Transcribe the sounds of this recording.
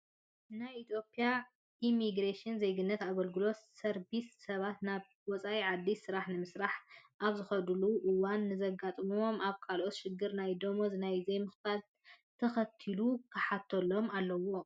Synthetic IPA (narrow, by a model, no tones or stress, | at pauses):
najit̪ʰjo̞pʰʼija | ʔimiɡɾeʃɪnzejɡɨnːɐt̪aβɐlɡɨlo̞sɐɾbisːɐβat̪naβ | wɔt͡sʼaʔiʕad̪ːisɨɾaħnɨmɨsɾaħʔaβzɨxɐd̪luʔɨwanːɨzɐɡat̪ʼmomʔaβkʰalʔo̞t̪ʃɪɡːɨɾnajd̪omozɨnajzejmɨxbal | t̪ʰɐxɐt̪ʰːilukʰɐħat̪ʰːolo̞malːɐwo̞